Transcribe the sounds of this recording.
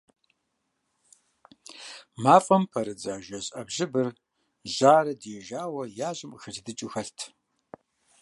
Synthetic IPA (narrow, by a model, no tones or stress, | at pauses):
maːfʼɐmpʰɐɾɨd͡zaːʒɐɕʼɐbʒɪbɨr | ʑaːɾɐdjɛʒaːwɐjaːʑɪmxɐtɨdɨt͡ʃʼɪxɐɬtʰ